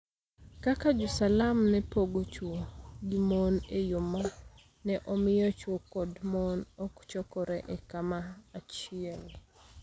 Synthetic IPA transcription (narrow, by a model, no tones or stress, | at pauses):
kakad͡ʒusalamnɛpoɡot͡ʃwoɡimɔnejoma | nɛʔɔmɪjɔt͡ʃwokɔdmɔnɔkt͡ʃɔkɔɾɛʔɛkamaːt͡ʃiɛl